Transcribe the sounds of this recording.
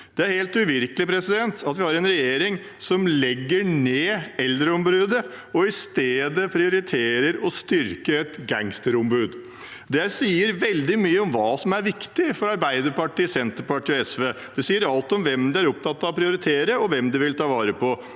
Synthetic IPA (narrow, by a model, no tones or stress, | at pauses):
d̪̥ɛæɾheːlt̪ʉʋɪɾkəlɪpʰɾɛsɪd̪ɛnt̪ɑt̪ʋɪhɑɾɛnɾɛjeːɾɪŋ | sɔmlɛɡːəɳeːɛld̪ɾəɔmbɾʉːd̪ə | ɔɪst̪eːd̪əpʰɾɪʊɾɪt̪ʰeːɾəɾɔst̪ʏɾkəɛt̪ɡæŋst̪əɾɔmbʉːd̪ | d̪ɛsiːəɾʋɛld̪ɪmyːəɔmʋɑːsɔmæɾʋɪkt̪ɪfɔɾɑɾbæɪd̪əɾpɑʈiːsɛnt̪əɾpɑʈiːɛsʋeː | d̪̥ɛsiːəɾɑlt̪ɔmʋɛmd̪ɛæɾɔp̚t̪ʰɑt̪ːɑʋpʰɾɪʊɾɪt̪ʰeːɾəɔʋɛmd̪ɛʋɪlt̪ʰɑːʋɑːɾəpʰɔ